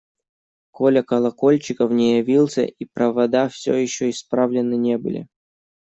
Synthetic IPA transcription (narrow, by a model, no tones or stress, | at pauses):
ko̞lʲəkɐlˠɐko̞lʲt͡ɕɪkəfnʲɪjɐvʲilˠsʲə̰ʔipɾɐvɐd̪afsʲojɪɕːoɪspɾavlʲɪnːɨnʲebɨ̰lʲɪ̰